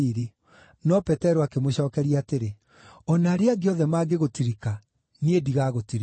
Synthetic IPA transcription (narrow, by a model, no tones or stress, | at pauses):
iɾi | nɔpɛtɛɾoakemoɕɔːkɛɾiaːteɾe | ɔnaːɾeaɡeɔðɛmaːɡeɣotiɾika | niediɣaɣotiɾi